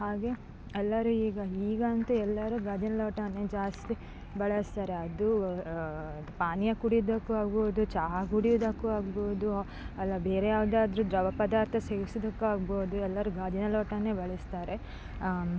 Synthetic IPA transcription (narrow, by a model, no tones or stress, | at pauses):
haːɡe̞ | ɛlːɐɾuiːɡɐiːɡɐnt̪uɛlːɐɾuɡaːd͡ʒɐnɐloːʈɐnːe̞ːd͡ʒaːst̪i | bɐɭɐst̪aːɾe̞ɐd̪u | paːnjɐkuɽid̪ɐkːuaːɡboːd̪ut͡ʃaːɦɐɡuɽijud̪ɐkːuaːɡboːd̪u | ɐlːɐbeːɾejaːʋd̪aːd̪ɐɾud̪ɾɐʋɐpɐd̪aːɾt̪ʰɐseːɡisɐd̪ɐkːuaːɡboːd̪uɛlːɐɾuɡaːd͡ʒɐnɐloːʈɐne̞ːbɐɭɛst̪aːɾe̞